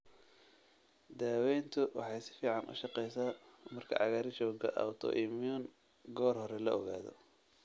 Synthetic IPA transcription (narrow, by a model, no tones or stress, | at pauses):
d̪aːwɛjnt̪ʰʊwɑ̰ħɑjsɪ̥fiːʕɑnʔʊ̰ʃɑqɛjsaːmɐrkʰɐ̰ʕɑ̰ɣaːɾɪt͡ʃɔːɡɐ̰ʔɐ̰wt̪ʰɔ̰ʔimjɔn | ɡɔːrhɔɾɛlɐ̰ɔɣa̰ːðɔ̰